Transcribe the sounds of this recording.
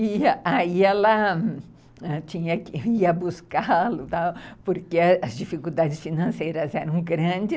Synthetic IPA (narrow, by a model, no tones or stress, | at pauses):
iaiɛlɐ | ɛt͡ʃĩɲɐkɪiɐbuskalʊt̪awpoɾkeɐɐzd͡ʒifikud̪ad͡ʒɪsfinɐ̃sejɾɐzɛɾɐ̃w̃ɡɾɐ̃d͡ʒɪ